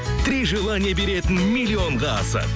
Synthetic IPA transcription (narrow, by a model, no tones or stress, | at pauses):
t̪ɾiʒɨlˠənʲebe̞ɾe̞t̪ɪnmilʲːio̞ɴʁɑɑ̰sə̰